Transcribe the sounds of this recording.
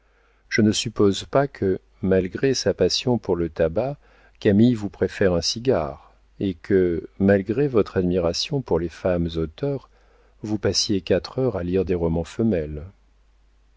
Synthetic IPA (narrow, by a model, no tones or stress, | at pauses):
ʒ̥ənəsypozpakʰə | malɡʁesapasjɔ̃puʁlət̪aba | kamijvupχefɛʁɛ̃siɡa̰ʁ | ekʰəmalɡʁevɔt̪χad̪miʁasjɔ̃puʁlefamzot̪œʁ | vupasjekat̪χœʁaliʁd̪eʁɔmɑ̃fəmɛl